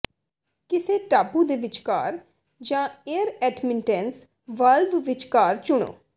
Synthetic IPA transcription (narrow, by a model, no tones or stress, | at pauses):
kɪseːʈaːpuːd̪eːʋɪt͡ʃkaːɾ | d͡ʒãːeəɾɛːɖmɪnʈɛns | ʋəlʋʋɪt͡ʃkaːɾt͡ʃʊɽ̃o̰ː